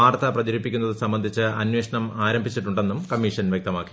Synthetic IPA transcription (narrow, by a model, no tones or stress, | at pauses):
aːrt̪ɐprɐðiɾipːikʲːunːɐðɨsɐmbɐnd̪ʱit͡ɕːɨɐnweːʂɐɳɐmaːɾɐmbʱit͡ɕːiʈːuɳɖenːumkɐmːiʂɐnʋjek̚t̪ɐmaːkːi̥